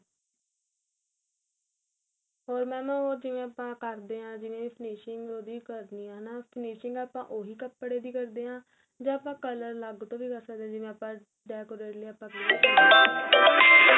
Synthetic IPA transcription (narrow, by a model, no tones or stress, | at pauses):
ɦoːɾmɛ̃ːmɛ̃ːoːd͡ʒɪʋẽːəpãːkəɾd̪eːɦãːd͡ʒɪʋẽːʋiːpʰəniːʃɪŋɡoːd̪iːkəɾniːãːnaːpʰniːʃɪŋɡaːpã̰ːʔoːɦiːkəpːɽeːd̪iːkəɾd̪eːɦãː | d͡ʒãːaːpãːkələɾləɡt̪õːʋiːkəɾsəkd̪eãːd͡ʒɪʋẽːəpãː | ɖɛːkoːɾeːʈleaːpə̃kː